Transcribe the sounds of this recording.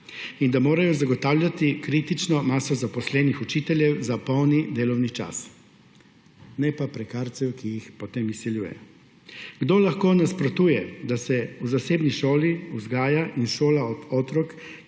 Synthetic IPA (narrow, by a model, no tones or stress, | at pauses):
ind̪amoːɾajɔzaɡɔt̪aːwljat̪ikɾit̪it͡ʃnɔmaːsɔzapɔslɛːnixut͡ʃit̪ɛljɛwzapɔwnid̪eːlɔwnit͡ʃa̰s | nɛpapɾɛkaɾt̪sɛwkijixpɔt̪emisiljuːjɛ̰ | ɡ̥d̪oːlaxkoːnaspɾɔt̪uːjɛd̪asɛuzaseːbniʃoːliuzɡaːjaʔinʃoːlaɔɔːt̪ɾɔk